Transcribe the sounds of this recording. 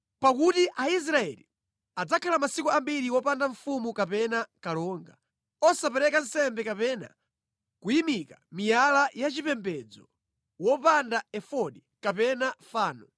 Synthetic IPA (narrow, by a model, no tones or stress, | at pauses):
pak̬utiʔais̬ɾaɛ̰lḭ | ad͡zakʰalamasikuambiɾiwɔpandaɱfumukapɛnakalɔːŋɡa | ɔsapɛɾɛkan̩sɛmbɛkapɛna̰ | kujimikamijalajat͡ʃipɛmbɛd͡zɔ | wɔpandaɛfɔɗi | kapɛnafaːnɔ